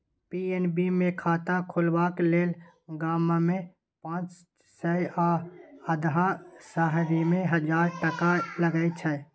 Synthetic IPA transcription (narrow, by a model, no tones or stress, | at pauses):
pienbimẽkʰaːt̪ãkʰʊlbakleːl | ɡaːmamẽ | pãːt͡ʃ | səjaəd̪ɦasaɦɾimẽɦəd͡ʒaːɾʈəkaləɡəɪt͡ʃʰɛ